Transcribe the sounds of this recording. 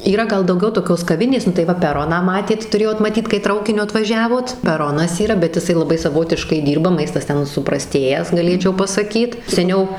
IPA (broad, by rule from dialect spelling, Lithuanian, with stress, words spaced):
iːˈrɐ ɡɐlˠ dɐʊˈɡʲɛʊ toːˈkʲoːs kɐˈʋʲɪnʲeːs nʊ tɐɪ ˈʋɐ pʲɛˈroːnɑː ˈmɑːtʲeːt tʊˈrʲeːjoːt mɐˈtʲiːt kɐɪ ˈtrɐʊkʲɪnʲʊ ɐtʋɐˈʒʲæːʋoːt pʲɛˈroːnɐs iːˈrɐ bʲɛt jɪˈsɐɪ lˠɐˈbɐɪ sɐˈʋoːtʲɪʃkɐɪ ˈdʲiːrbɐ ˈmɐɪstɐs ˈtʲɛn sʊprɐˈsʲtʲeːjæːs ɡɐˈlʲeːt͡ʃʲɛʊ pɐsɐˈkʲiːt sʲɛˈnʲɛʊ